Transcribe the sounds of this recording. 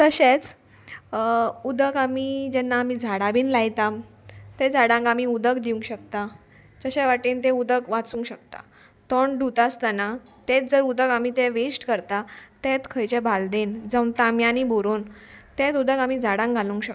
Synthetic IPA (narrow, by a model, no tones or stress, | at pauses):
t̪əɕet͡s | ud̪əkamid͡ʑɛnːaːmid͡zʱaɽabiːnlajt̪am | t̪ɛd͡zaɽãŋɡamiud̪əkd̪iũŋkɕək̚t̪a | t͡ɕəɕɛʋaʈiːnt̪ɛ̃ud̪əkʋat͡sũːŋkɕəkt̪a̰ | t̪ɔɳɖʱut̪ast̪ana | t̪ɛt͡sd͡zəɾud̪əkam̤it̪ɛ̃ʋesʈkəɾt̪at̪ɛt̪kʰəjt͡ɕebʱald̪end͡zəwnt̪amjãnibʱoɾuːnt̪ɛt̪ud̪əkam̤id͡zʱaɽãŋɡɡʱalũŋkɕək̚